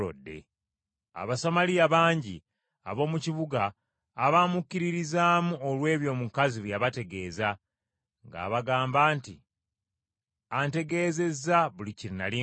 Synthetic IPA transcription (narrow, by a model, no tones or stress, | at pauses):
o̰dːe̞̰ | a̰βasamaliaβaːɲɟḭ | a̰βo̞ːmuciβuɡaː | βamukːiɾiɾizaːmuolwe̞ːβjo̞mukaziβjaβate̞ɡe̞ːza | ŋɡa̰ːβaɡaːmbaːnti | ante̞ɡe̞ːze̞zaβuliciɾinali